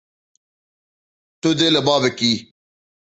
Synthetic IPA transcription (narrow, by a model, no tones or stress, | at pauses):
t̪ud̪elɐbaːbekiː